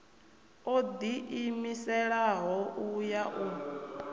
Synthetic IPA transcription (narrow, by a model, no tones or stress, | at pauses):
od̪iʔimisɛɺaɦɔujaʔuː